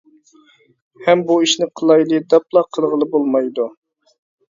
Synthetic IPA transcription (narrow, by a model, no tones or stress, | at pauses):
hɛmbuiʃnɪqʰəlˠɑjlˠɨd̪ɛplˠɑqʰəlˠʁəlˠɨbolˠmɑjd̪u